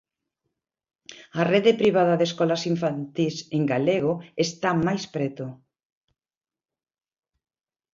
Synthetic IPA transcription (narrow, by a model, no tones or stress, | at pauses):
areðepɾiβ̞aðaðeskɔlasiɱfant̪iseŋɡaleɣoest̪amajspɾet̪o